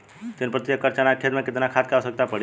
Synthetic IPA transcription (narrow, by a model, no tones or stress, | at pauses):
t̪ɪnpɾət̪iəkəɾt͡ʃanakʰed̪mẽkɪt̪nakʰat̪̚kaosək̚t̪apəɽ